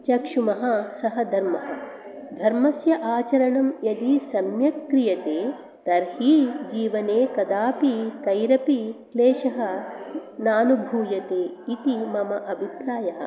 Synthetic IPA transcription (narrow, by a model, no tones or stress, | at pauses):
t͡ʃɐkʂumɐɦɐ̆sɐɦɐd̪ʱɐɾmɐɦɐ̰ | d̪ʱɐɾmɐsjɐʔaːt͡ʃɐɾɐɳɐmjɐd̪isɐmjɐkɾijɐt̪eː | t̪ɐɾhiːd͡ʒiːʋɐneːkɐd̪aːpikɐjɾɐpikleːʃɐɦɐ̆ | naːnubʱuːjɐt̪eːit̪imɐmɐʔɐbʱipɾaːjɐɦɐ̰̆